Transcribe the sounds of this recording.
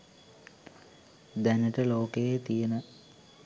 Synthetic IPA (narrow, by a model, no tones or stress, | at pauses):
d̪ænəʈəloːkejet̪ijenə